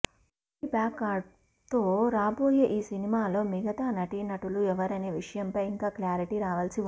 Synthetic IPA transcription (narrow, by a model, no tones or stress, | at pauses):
ipaːkaːɖ | t̪o̞ːɾaːbo̞ːje̞ːʔiːsinimaːlo̞ːmiɡɐt̪aːnɐʈinɐʈuluɛʋɐɾɐneːʋiʂɐjɐmpɐjiŋkaːkljaːɾiʈiɾaːʋɐlsi